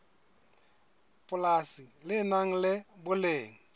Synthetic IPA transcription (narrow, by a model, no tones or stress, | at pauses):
pʼʊlasilɪnaŋ̩lɪbʊleːŋ̩